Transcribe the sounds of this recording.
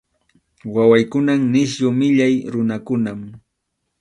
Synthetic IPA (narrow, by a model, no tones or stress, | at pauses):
wawajkʊnamnɪs̬jʊmɪʎajɾʊnakʊnam